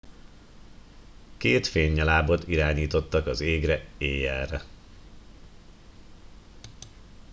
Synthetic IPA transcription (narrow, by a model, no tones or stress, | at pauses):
keːt̪feːɲːɛlaːbo̞t̪iɾaːɲiːt̪o̞t̪ːɒkɒzeːɡrɛeːjɛrɛ